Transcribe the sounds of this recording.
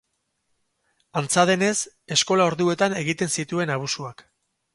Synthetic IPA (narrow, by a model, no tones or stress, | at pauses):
ant͡saðe̞ne̞s | e̞sko̞lao̞ɾðue̞t̪ane̞ɣit̪e̞nsit̪ue̞naβ̞usuak